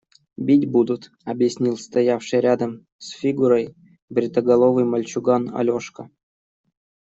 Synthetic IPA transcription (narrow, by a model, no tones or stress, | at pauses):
bʲitʲbud̪ʊt̪ | ɐbjɪsʲnʲilˠst̪ɐjafʂɨjɾʲad̪əm | sfʲiɡuɾəj | bɾʲɪt̪əɡɐlˠovɨjmɐlʲt͡ɕʊɡanɐ̰lʲoʂkə